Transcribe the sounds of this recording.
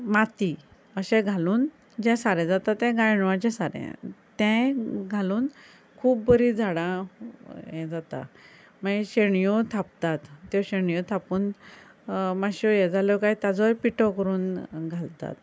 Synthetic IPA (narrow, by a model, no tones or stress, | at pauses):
mat̪i | əɕɛ̃ɡʱaluːn | d͡ʑɛ̃saɾɛ̃d͡zat̪at̪ːɛ̃ɡajɳʋãt͡ɕɛ̃saɾɛ̰̃t̪ɛ̃ɡʱaluːn | kʰuːbbəɾid͡zʱaɽã | jɛd͡zat̪a̰ | maɡeɕeɳjɔt̪ʰap̚t̪at̪ːjɔɕeɳijɔt̪ʰapuːn | maɕɔjɛd͡zʱalɔkajt̪jad͡zɔjpiʈɔkəɾuːnɡʱalt̪a̰t̪